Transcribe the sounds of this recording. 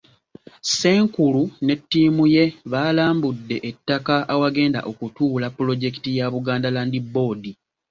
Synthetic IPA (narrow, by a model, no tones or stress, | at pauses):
se̞ːŋkulune̞tːiːmuje̞βaːlaːmbudːe̞ʔetːakaʔːwaɡe̞ːnda̰ʔo̞kutuːlapːulo̞ɟe̞ki̥tijaβuɡaːndalaːndibːo̞ːdi